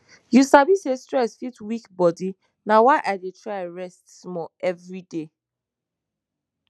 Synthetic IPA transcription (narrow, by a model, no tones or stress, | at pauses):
jusabisestɹɛsfitwikbɔdi | nawaɪʔadetɹaɪɹɛstsmɔɛvɹide